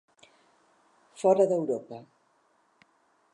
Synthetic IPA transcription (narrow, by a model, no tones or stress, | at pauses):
fɔɾɐðəwɾopɐ